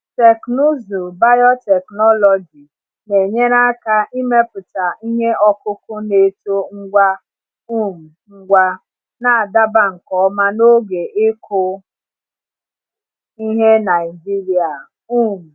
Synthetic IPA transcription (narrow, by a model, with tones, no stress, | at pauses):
te˨knu˦zu˨ba˦jɔ˦tɛ˨knɔ˦lɔ˨d͡ʒi˨ | ne˨ɲe˦ɾa˦ka˦ʔi˦me˦pʊ˨ta˨ʔi˦ɦe˦ɔ˦kʊ˦kʊ˦ne˨to˦ŋ̩˦ɡʷa˦ | u˦m̩˨ŋ̩˦ɡʷa˦ | na˨a˨da˦ba˦ŋ̩˨kɔ˦ma˦no˦ɡe˨ʔe˦kʰʊ˦ | i˦ɦe˦na˨ɪ˨d͡ʒi˦ɾi˨a˨ | u˦m̩˨